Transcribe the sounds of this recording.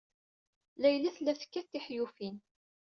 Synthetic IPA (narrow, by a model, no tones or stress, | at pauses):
læjlæθlːæθə̥kːæt̪ːiħjufin